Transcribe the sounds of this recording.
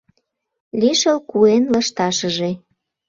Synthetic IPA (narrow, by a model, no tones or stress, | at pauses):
liʃəlkuenlə̆ʃt̪ɑʃəʒe